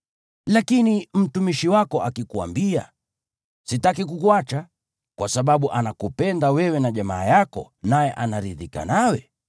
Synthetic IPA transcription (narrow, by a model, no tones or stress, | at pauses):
lakinim̩tumiʃiwakɔʔakikua̰mbia̰ | sitakik̬ukuat͡ʃa | kwasaɓaɓuʔanakupɛndawɛwɛnaʄamaːjakɔ̰ | najɛʔanaɾiðika̰nawɛ